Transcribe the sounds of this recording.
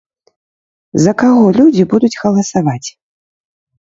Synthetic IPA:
zɐkaɣɔlʲud͡zʲibud̪ut͡sʲɣɐlˠɐsavat͡sʲ

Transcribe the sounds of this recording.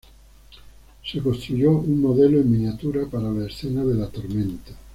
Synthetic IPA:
sekost̪ɾuʎouŋːoðeloemːinjat̪uɾapaɾalaesθenaðelat̪oɾmẽnt̪ḁ

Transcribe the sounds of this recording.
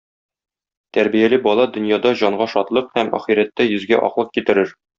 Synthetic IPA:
t̪æɾbijælɘbɒlˠɑd̪ɵ̆njɑd̪ɑʑɒɴɢɑʃɒt̪lˠɤqhæmæ̰χiɾæt̪ːæjɵ̆zɡæʔɒ̰qlˠɤq̚kit̪ɘ̆ɾɘɾ

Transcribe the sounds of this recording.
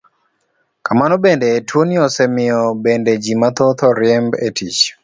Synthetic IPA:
kamanɔbendeːtwoniɔsemɪɔbended͡ʒimat̪ot̪ʰɔɾjɛmbetit͡ʃ

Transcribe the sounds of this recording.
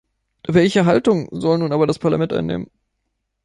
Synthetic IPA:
vɛlçəɦaltʊŋzɔlnuːnʔaːbɐɾaspʰaɐlamɛntʔa̰ɪnḛːmən

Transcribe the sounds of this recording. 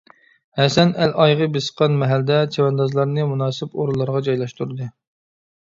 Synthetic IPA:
hɛsɛnælʔɑjʁəbesə̥qʰɑnmɛɦæld̪ɛt͡ʃʰewɛnd̪ɑzlˠɑɾnɨmunɑːsɨpoɾulˠːɑɾʁɑd͡ʒɑjlˠɑʃt̪uɾɨd̪ɨ

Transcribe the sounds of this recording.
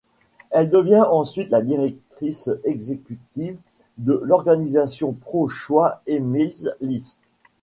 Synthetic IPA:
ɛld̪əvjɛ̃ʔɑ̃sɥit̪lad̪iʁɛk̚t̪χisɛɡzekʲyt̪iv | d̪əlɔʁɡanizasjɔ̃pχoʃwaemilzlist̪

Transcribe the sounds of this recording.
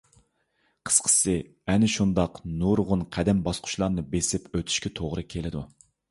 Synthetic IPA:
qʰə̥sqʰə̥sɨ | ɛnɪʃund̪ɑqnuɾʁʊnqʰæd̪ɛmbɑsqʰʊ̥ʃlˠɑɾnɨbesɪpøt̪ʰy̥ʃkʲɛt̪ʰoʁɾɨkʲʰelɪd̪u

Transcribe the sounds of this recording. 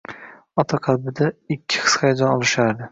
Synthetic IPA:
ɒt̪ʰaqʰɑlbɪd̪aɪkʲʰːɪ̥χɨ̥sχajad͡ʒ̪ɒnɒlˠɪʃaɾd̪ɪ

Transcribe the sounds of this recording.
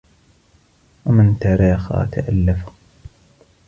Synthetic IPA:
wamɪnt̪aːɾaːxa̰ːt̪aʔalːafa

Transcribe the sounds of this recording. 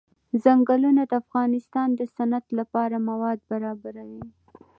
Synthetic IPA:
zaŋɡəlunad̪əafɣɑnɪst̪ɑnd̪əsanat̪lapɑɾamawɑd̪̚baɾɑbaɾawi

